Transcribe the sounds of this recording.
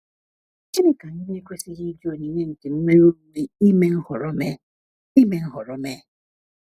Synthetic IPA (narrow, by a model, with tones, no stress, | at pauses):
t͡ʃi˦ɾɪ˦ka˨n̩˦ne˦kʷe˦si˦ɣi˦d͡ʒo˦˨ni˨ɲe˦ŋ̩˨ke˨m̩˦me˦u˦ɾu˦ni˦i˦me˦n̩˦hʊ˨ɾɔ˦me˦ | i˦me˨n̩˦ɦʊ˨ɾɔ˦me˦